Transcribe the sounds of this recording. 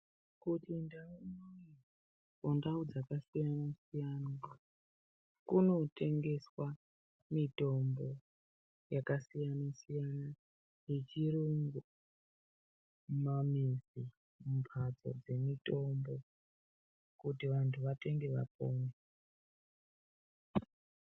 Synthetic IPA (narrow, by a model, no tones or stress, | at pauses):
kutindaunoi | kondaud͡zakasijanasijana | kuno̞te̞ŋɡe̞swa | mito̞mbo̞ | jakasijanasijana | jet͡ʃiɾuŋɡu | mamizi | mupʰad͡zo̞̰d͡ze̞mito̞mbo̞ | kutiʋantʰuʋate̞ŋɡe̞ʋa̰p̚oːne